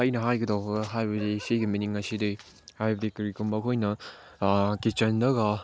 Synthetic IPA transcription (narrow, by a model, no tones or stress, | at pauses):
ajnɐɦajɡɐdawbɐɡɦajbɐdisejɡiminiŋɐsidɯj | hajbɐdikiɾikumbɐkʰojnɐ | kit͡ʃɐndɐɡɐ